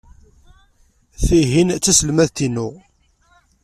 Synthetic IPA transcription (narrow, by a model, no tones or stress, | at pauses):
θiɦint͡sːæsəlmæðt̪inʊ